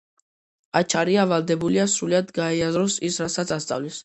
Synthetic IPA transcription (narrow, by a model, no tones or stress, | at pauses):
at͡ʃʰaɾiavalˠd̪ɛbuliasɾuliad̪ɡaɛazɾɔsisɾasat̪sʰast̪sʼa̰vlis